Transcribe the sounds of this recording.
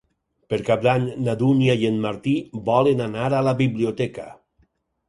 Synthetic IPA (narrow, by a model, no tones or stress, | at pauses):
peɾkap̚d̪aɲnad̪unjajenmaɾt̪ibɔlenanaɾalaβiβliot̪ɛka